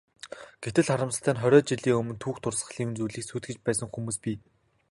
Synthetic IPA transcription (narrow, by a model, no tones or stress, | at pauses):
ɡ̥et̪ɘ̆ɮχaɾə̆msə̆ɬt̪ʰæːnχœɾʲɔːt͡ɕiɮiːŋɵmɵ̆nt̪ʰuːxt̪ʰʊrsə̆ɮiwɘnt͡sujɮiːksuːt̪̚ɡɘ̆t͡ɕpæːsə̆ŋxumuːspʲiː